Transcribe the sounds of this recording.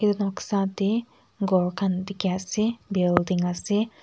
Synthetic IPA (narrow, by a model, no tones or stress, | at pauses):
kit̪unɔksat̪i | ɡɔlkant̪ikiasibildiŋasi